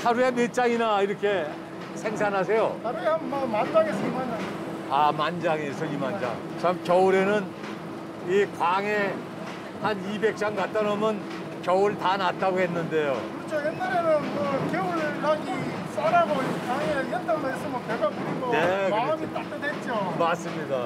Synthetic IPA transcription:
sʰaɾuemet͡ɕ͈aŋinaiɾʌkʰe̞ | sʰe̞ŋs̬ʰanɦasʰe̞jotaɾʌɡehanmamand͡ʑaŋesʌimanan | amand͡ʑaŋe̞sʰʌimand͡ʑa̰ŋ | t͡ɕamkʲjʌɯɾe̞nɯn | ikwaŋe̞ | hanibe̞k̚t͡ɕ͈aŋkat̚t͈ʌnʌmʌn | kʲjʌɯɭtanat͈aɡoɦe̞nːɯnde̞jokɯɾt͡ɕʰojenːaɾenɯnkɯkeuɭkaɡi | s͈aɾaɡoikaŋejʌndamaesʰʌmʌneɡakuɾiɡonekaʌmit͈ak̚t͈edet͡ɕ͈omas͈ɯmɲida

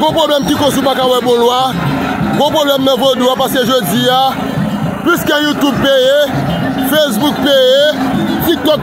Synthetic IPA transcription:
ɡɔ̃pʁoblɛmkikosupakawɛbõlwa | ɡɔ̃pʁoblɛmnãvoduapaskeʒod͡zia | piskejut̪ub̚peje | fesbuk̚pejet̪ik̚t̪ɔk

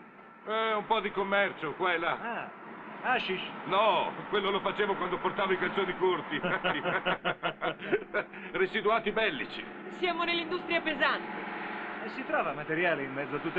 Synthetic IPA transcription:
ɛumpɔd̪ikomːɛrt͡ʃokwaɛlːaa | aʃiʃnɔkwelːolofat͡ʃeːvokwand̪oport̪aːvoikant̪soːnikort̪i | resit̪uaːt̪ibɛlːit͡ʃḭ | sjaːmonelːind̪ust̪ɾiapezant̪eɛsːit̪ɾɔːvamat̪eɾjaːleimmɛd̪zoat̪ːut̪ː

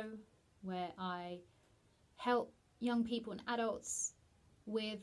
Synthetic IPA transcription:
ʊ | wəɹʔaɪ | hɛlˠp̚ | jʌ̃ŋpʰiˑpəlˠə̃naɾəlˠts | wɪð

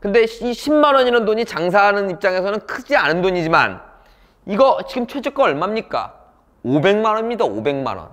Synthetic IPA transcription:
kɯnde̞iɕʰimːanʌɲiɾʌndoɲit͡ɕaŋs̬ʰaɦanɯnip̚t͡ɕ͈aŋe̞sʰʌnɯnkʰɯd͡ʑianɯndoɲid͡ʑima̰n | iɡʌt͡ɕiɡɯmt͡ɕʰwed͡ʑɯk͈ʌʌɭmamɲik͈a̰ | obe̞ŋmanʌnmɲidao̰be̞ŋma̰nʌ̰n

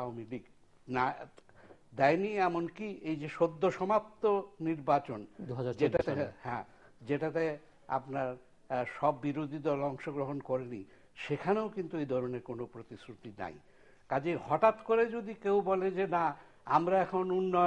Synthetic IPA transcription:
aomilik | na | d̪ɛjniɛmonkiejd͡ʑeʃod̪ʱːoʃɔmap̚t̪oniɾbat͡ɕond̪uɦaad͡ʑeaehɛ̃ | d͡ʑeʈat̪e | a̰pnaɾ | ʃɔbːiɾod̪ʱid̪ɔlɔŋʃoɡɾoɦonkɔɾenḭ | ʃekʰaneokint̪uejd̪ʱɔɾoneɾkonopɾot̪isɾut̪ina̰j | kad͡ʑihɔʈat̪koɾed͡ʑod̪ikewbɔled͡ʑena | amɾaɛkʰonunːɔ

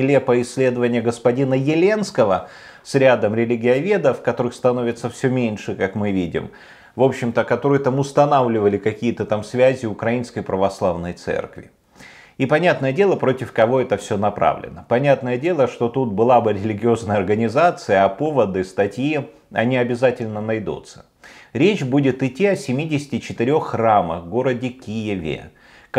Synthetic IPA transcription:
ɪlʲepəɪsʲːlʲe̞d̪əvənʲɪjəɡəspɐdʲinəjɪlʲe̞nskəvə | sɾʲad̪əmɾʲɪlʲɪɡʲɪɐvʲe̞d̪əfkɐt̪o̞ɾɨxst̪ɐno̞vʲɪt̪səfsʲɵmʲenʲʂɨkakmɨvʲidʲɪ̰m | vo̞pɕːɪmt̪əkɐt̪o̞ɾɨjʊt̪amʊst̪ɐnavlʲɪvəlʲɪkɐkʲijət̪ət̪amsvʲæzʲɪʊkɾɐinskəjpɾəvɐslˠavnəjt̪sɛ̰rkvʲɪ̰ | ipɐnʲat̪nəjədʲe̞lˠəpɾo̞tʲɪfkɐvo̞ɛt̪əfsʲonɐpɾa̰vlʲɪ̰nəpɐnʲat̪nəjədʲe̞lˠəʂt̪o̞t̪ut̪̚bɨlˠabɨɾʲɪlʲɪɡʲɪo̞znəjəɐrɡənʲɪzat̪sɨjəɐpo̞vəd̪ɨst̪ɐtʲji | ɐ̰nʲiɐbʲɪzatʲɪlʲnənɐjd̪ṵt̪sə̥ | ɾʲet͡ɕbudʲɪt̪ɪtʲːiɐsʲɪmʲidʲɪsʲɪ̥tʲɪt͡ɕɪt̪ɪɾʲo̞xːramə̰xɡo̞ɾədʲɪkʲijɪvʲɪ̰

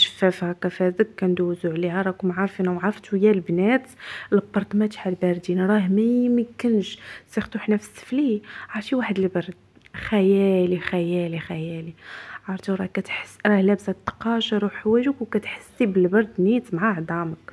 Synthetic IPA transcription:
ʃə̥fːæfhækæfæzəkʕand̪uwzuʕlihæɾˤɑkʊmʕɑɾˤfinæwʕɑɾft̪wjælbnæːt̪lbɑɾˤt̪mæt̪ħalbæɾd̪inɾˤɑɦmæjməkənʃsixt̪uħnæfsə̥sfliʕɑɾˤfiwaħəd̪əlbɑɾˤd̪ | xæjælixæjælixæjæliʕɑɾˤt̪uɾˤɑkæt̪ħə̥sɾˤɑhlæbsæt̪ːɑ̥qɑʃɑɾˤuħwæʒəkwkæt̪ħə̥sːibəlbɑɾˤd̪nit̪mʕaʕd̪ˤɑmək

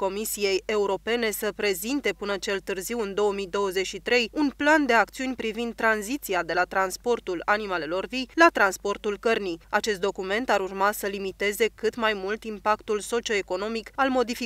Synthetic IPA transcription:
ko̞misije̞je̞uɾo̞pe̞ne̞səpɾe̞zint̪e̞pɨnət͡ʃe̞lt̪ɨrziwɨnd̪o̞əmid̪o̞wəze̞t͡ʃʃit̪ɾe̞junpland̪e̞akt̪siunʲpɾivind̪̚t̪ːɾanzit̪siad̪e̞lat̪ɾanspo̞rt̪ulanimale̞lo̞rvijlat̪ɾanspo̞rt̪ulkərnija̰t͡ʃe̞st̪d̪o̞kume̞nt̪aɾurmasəlimit̪e̞ze̞kɨt̪majmult̪impakt̪ulso̞t͡ʃio̞e̞ko̞no̞mikalmo̞d̪ifi

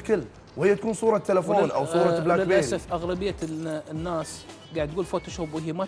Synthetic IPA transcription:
kɪlː | whɪjːat̪ḁkuːnsˤuːɾˤɑt̪ːalafoːnʔa̰wsˤuːɾˤɑblaːkbesafʔaɣlabɪjːanːaːs | ɡaʕd̪ɡuːlfot̪aʃobɦiːma

